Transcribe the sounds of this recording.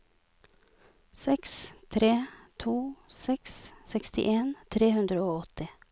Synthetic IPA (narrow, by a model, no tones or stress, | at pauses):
sɛkst̪ʰɾeːt̪ʰuːsɛkssɛkst̪ɪ̰ʔeːnt̪ʰɾeːhʉnd̪ɾəoːɔt̪ɪ